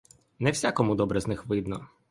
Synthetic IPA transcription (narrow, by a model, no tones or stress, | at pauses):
nɛwsʲakɔmʊd̪ɔbɾɛznɪxʋɪd̪nɔ